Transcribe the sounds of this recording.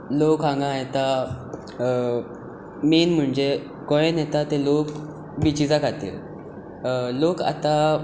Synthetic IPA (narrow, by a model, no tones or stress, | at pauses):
lokãŋɡãjet̪a | menm̤əɳd͡ʑe | kɔ̃jẽnjet̪at̪elok | bit͡ɕid͡zakat̪ḭl | loka̰t̪a